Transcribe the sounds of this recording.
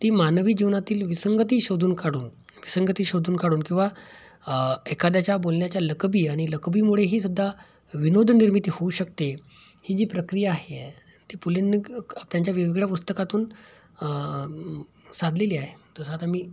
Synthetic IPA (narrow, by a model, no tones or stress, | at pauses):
t̪iːmanʋiːd͡ʑiʋnat̪iːlʋisəŋɡət̪iːɕod̪ʱuːnkaɽuːn | ʋisəŋɡət̪iːɕod̪ʱuːnkaɽuːnkĩw̃ʋa | ekad̪jat͡ɕjabolnjat͡ɕjaləkbiːaɽ̃iləkbiːmuɭeɦiːsud̪ʱːa | ʋinod̪ʱniɾmit̪ihouɕəkt̪e | hiːd͡ʑiːpɾəkɾijaːɦe | t̪iːpulinːiɡt̪jaɲt͡ɕjaʋeʋiɡɭjapust̪əkat̪uːn | sad̪ʱleliːaɦet̪əsəat̪am̤iː